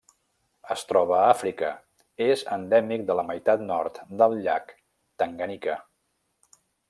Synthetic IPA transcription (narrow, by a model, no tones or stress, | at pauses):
əst̪ɾɔβ̞əafɾikə | ezə̰nd̪ɛmik̚d̪ələməjt̪at̪nɔrt̪d̪əlˠʎak | t̪əŋɡənikə